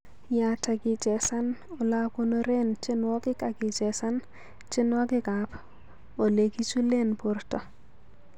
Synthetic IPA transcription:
ja˨ta˨ɡɪ˨d͡ʒɛ˨sa˦nɔ˨la˦ko˦no˦ɾe˦nt͡ʃɪ˦nwɔ˦kɪ˦ka˨ɡɪ˨d͡ʒɛ˨sa˦n | t͡ʃɪ˦nwa˦ɡɪ˦ka˨p | o˨le˨ki˦t͡ʃu˦le˦npʊ˦ɾtɔ˨

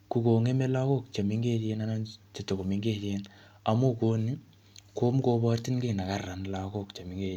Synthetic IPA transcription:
ku˨ko˨ŋe˦me˦la˦ko˦k̚t͡ʃa˨mi˦ŋɡe˦te˦na˦na˦t͡ʃe˨tːe˨ko˨mi˦ŋɡe˦te˦n | a˨mo˦ko˦ni˦ | ko˦mko˦ba˦rti˦nki˦˨na˨ka˦rːa˨nla˨ko˦˨kt͡ʃa˨mi˨ŋɡe˦

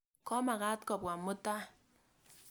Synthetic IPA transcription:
kɔ˦ma˨ka˦tkɔ˨p̚wa˨mʊ˦ta˦

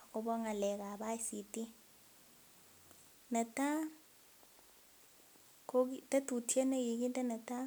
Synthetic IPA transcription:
kɔ˦bɔ˦ŋa˨lɛ˨ka˨ba˦si˨ti˦ | na˨ta˦ | ko˦ki˦ta˦tu˨tʰi˦ɛ˦na˦ki˨k̬i˦ta˦na˨ta˦

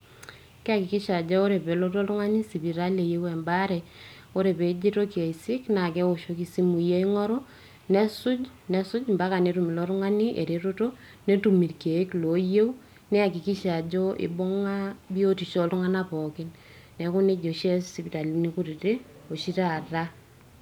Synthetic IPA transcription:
kɛ˦a˦ki˨ki˦ʃa˨d͡ʒɔ˦o˦ɾe˨pe˨lo˦to˦lʊ˦ŋa˦ni˦si˨pi˨ɾa˦le˨je˦wɛ˨mba˦ɾɛ˨ | o˦ɾe˨pe˨d͡ʒi˦to˦kje˨i˨si˦kna˨kɛ˦o˨ʃo˦ki˨si˦mu˨je˦i˦ŋɔ˦ɾo˦ | nɛ˦su˦d͡ʒ | nɛ˦su˦d͡ʒmba˦ka˨ne˨˦tu˨mi˨lo˦tʊ˦ŋa˦ni˦ʔḛ˨ɾe˨ɾo˦to˦ | ne˦tu˨mi˨rke˨˦klo˨je˦w | nɛ˦a˨ki˨ki˦ʃa˨d͡ʒo˦ʔḭ˨bo˦ŋa˦bi˦o˦ti˨ʃɔ˦lʊ˦ŋa˦napɔ˨kɪ˦n | nɛ˨ku˦ne˦d͡ʒo˨ʃɛ˦si˨pi˨ta˨li˨˦ni˦ku˦ɾi˨te˦ | o˨ʃi˦ta˨ra˦

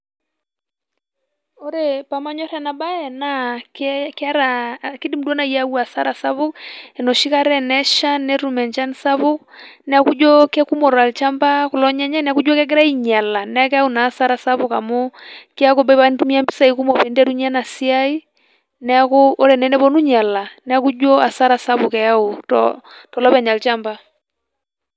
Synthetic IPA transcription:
o˦ɾe˨pa˨ma˦ɲɔ˦ɾa˨na˨ɓa˦ɛ˨na˦kɛka˦ɾaki˦di˦m̩˨dɔ˦na˨i˦a˦wa˨sa˦ɾa˨sa˦βo˦kɛ˨nɔ˨ʃi˦ka˦ɾɛ˦nɛ˦ʃa˦nɛ˦ɾu˨mɛ˨nt͡ʃa˦nsa˦βo˦ | nɛ˨a˦ku˦d͡ʒɔ˦kɛ˦ku˦mɔ˨ɾa˨lt͡ʃa˦mba˦ku˨lɔ˦ɲa˦ɲa˦nɛ˨a˦ku˦d͡ʒɔ˦kɛ˦ɡ̬ɛ˦ɾa˦i˦ɲa˨la˨nɛ˦a˦kɛ˦a˦u˨na˨˦sa˦ɾa˨sa˦βʊ˨ka˨mɔ˦ki˦a˦ko˦ba˦βa˦ntu˦mi˦a˦mbi˦sa˦˨i˨ku˦mɔ˨pe˨ndɛ˦du˦ɲa˦na˨si˦a˦i˦ | nɛ˦a˦koː˦ɾɛ˨nɛ˦nɛ˦βɔ˦nu˦ɲa˨la˨nɛ˦a˦ku˦d͡ʒɔ˦a˨sa˦ɾa˨sa˦βu˨kɛ˨a˦o˨tɔ̰tɔ˨lɔ˦pɛ˨ɲa˨lt͡ʃa˦mba˦

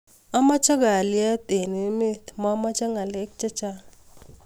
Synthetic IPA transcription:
ɔ˦ma˦t͡ʃa˦ɡa˨lja˦t̪e˨ne˨˦me˦t̪mɔ˦ma˦t͡ʃa˦ŋa˨le˦k̚t͡ʃa˦t͡ʃa˦

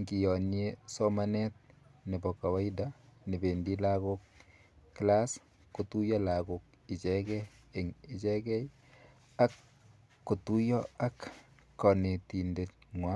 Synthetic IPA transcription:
ŋɡi˨jɔ˨nesɔma˦nɛt̪̚nɪ˨bɔ˨ka˨wa˦idani˨be˨ndi˦laɡokː | las | ku˨tu˦jɔ˦laɡok̚ | i˨t͡ʃɛkɛ | e˨ŋɪ˨t͡ʃɛkɛ˦j | a˦kː | u˨tu˦jɔa˦k | kːɔ˨ne˨ti˨ndet̚ŋwa˦

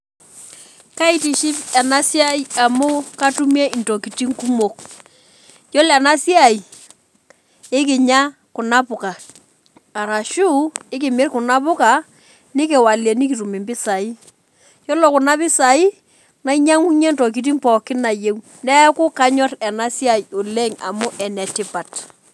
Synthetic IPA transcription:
ka˦i˨ti˨ʃɪ˦pɛ˨na˦sja˦ja˨mʊ˦ka˦tu˦me˦ɪ˨nto˨ki˨ti˦ŋku˦mo˨k̚ | jɔ˦lɛ˨na˦sja˦˨i˨ | ɪ˦kɪ˨ɲa˦ | kʊ˨na˦pʊ˨ka˨ | a˨ɾa˨ʃu˦ɪ˦kɪ˨mɪ˦rkʊ˨na˦pʊ˦ka˨ | nɪ˦k̬ɛ˨wa˨le˨ni˦ki˨tu˨mɪ˨mbɪ˦sa˨ɪ˦ | jɔ˦lɔ˨kʊ˨na˦pɪ˦sa˨i˦ | na˦iɲa˦ŋu˦ɲe˦ntɔ˨k̬i˨t̬i˦mpɔ˨kɪ˦na˨je˦w | nɛ˦kʊ˦ka˦ɲɔ˦ɾɛ˨na˦sja˨jo˨le˦ŋa̰˨mʊ˦ʔɛ˨nɛ˨tɪ˦pa˨t

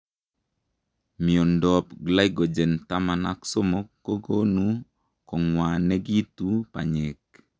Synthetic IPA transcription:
mi˨o˨ndɔ˨pɡla˦ɪ˦ɡo˨d͡ʒe˨nta˦ma˨na˦kso˦mo˦kːo˦ɡo˦nu˦ | kɔ˨ŋwa˨nɛ˦ɡi˦tu˦pa̰˨ɲɪ˨k

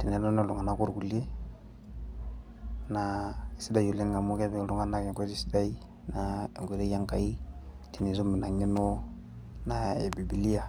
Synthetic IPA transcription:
ti˨nɛ˨lɔ˦nɛ˦˨lu˨ŋa˨na˦ku˦ɾku˨le˦ | na˨i˨si˦da˦ju˨le˦nŋa˨mu˦kɛ˦bɛ˦˨lu˨ŋa˦na˦kɛ˨ŋke˦zi˦si̥˦da˦i˦ | na˦˨ɡʷe˨zɛ˦ja˦ŋka˨i˦ | ti˨ni˨zo˦mi˨na˨ŋi˦nɔ˦ | na˦e˨bi˨bi˨li˦a˨

